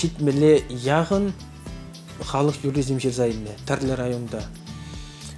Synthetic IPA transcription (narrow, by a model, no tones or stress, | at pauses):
ʃit̪mɪlejɑʁən | χɑlˠəqjuɾizəmʒeɾzɑjənet̪ʰæɾlɪɾajo̞nd̪ɑ